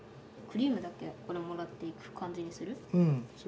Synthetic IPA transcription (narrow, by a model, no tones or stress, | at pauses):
kɯ̟ɾʲiːmɯ̟d̪ake̞ko̞ɾe̞mo̞ɾat̪ːe̞ikɯ̟̥kʰãɲ̟d͡ʑiɲ̟isɨɾɯ̟ɯ̟̃s